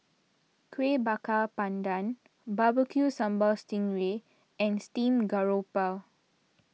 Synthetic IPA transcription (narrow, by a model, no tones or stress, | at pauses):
kʰwebakapãndãn | babəkʰjusãmbɔlstĩŋɹe | ɛ̃nstĩmɡaɹopa